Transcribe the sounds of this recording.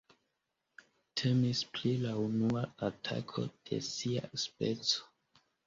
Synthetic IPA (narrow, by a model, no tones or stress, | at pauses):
tʰe̞misplilaunuaatʰa̰kʰo̞̰d̥e̞̰sia̰spet͡so̥